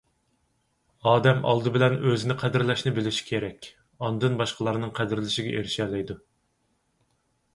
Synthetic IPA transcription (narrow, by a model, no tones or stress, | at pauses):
ɑːd̪ɛmʔɑ̰lˠd̪ɨbɪlɛnøzɪnɪqʰæd̪ɪɾlɛʃnɪbɪlɪʃi̥kʲʰeɾɛkʲ | ɑnd̪ɨnbɑʃqʰəlˠɑɾnɨŋqʰæd̪ɪɾlɪʃiɡʲɛʔeɾʃɛːlɛjd̪u